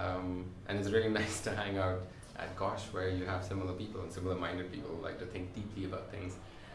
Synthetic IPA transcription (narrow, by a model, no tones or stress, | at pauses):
ʌ̃mʔɨ̰̃nɨts̬ɹɪlˠinaɪstʰɨɦæ̃ŋaʊt | ʔə̰t̚ɡ̥ɑʃwə˞jɨəv̥sɪ̃ml̩ˠə˞pipl̩ˠə̃nsɪ̃ml̩ˠəmãɪ̃ndəd̚pʰḭpl̩ˠhula̰ɪk̚tɨθɪ̃ŋk̚d̥ipʰliɨbaʊt̪̚θɪ̰̃ŋz̥